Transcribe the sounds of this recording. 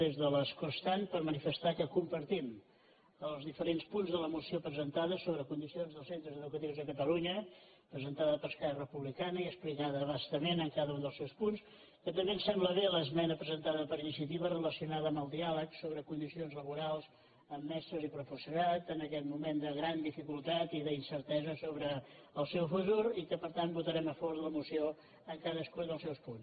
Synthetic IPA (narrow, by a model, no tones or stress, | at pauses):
ezðələskost̪anpəɾmənifəst̪akəkumpəɾt̪im | əlˠzðifəɾenspunzðələmusiopɾəzənt̪aðəsoβɾəkund̪isionzðəlˠsent̪ɾəzəðukət̪iwzðəkət̪əluɲə | pɾəzənt̪aðəpəɾskaɾrəpuβlikanəiəsplikaðəβast̪əmenəŋkaðəund̪əlˠsɛwspuns | kət̪əmbeənsɛmbləβeləzmɛnəpɾəzənt̪aðəpəɾinisiət̪iβərələsiunaðəːmbəlˠd̪ialəksoβɾəkund̪isionzləβuɾalˠz | əmːɛst̪ɾəzipɾəfəsuɾat̪ənəkɛt̪mumend̪əɣɾand̪ifikulˠt̪at̪iðəinsəɾt̪ɛzəsoβɾəːlˠsɛwfət̪uɾikəpəɾt̪anbut̪əɾɛməfɔɾðələmusio | əŋkaðəskud̪əlˠsɛwspuns